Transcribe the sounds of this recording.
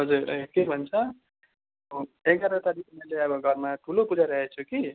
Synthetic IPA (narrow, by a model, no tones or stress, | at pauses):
ɦʌd͡zuɾʌkebʱʌnt͡sʰʌ | oekɡʌɾʌt̪aɾikunileʌbʌɡʱʌɾmaʈʰulopud͡zaɾʌɦet͡sʰuki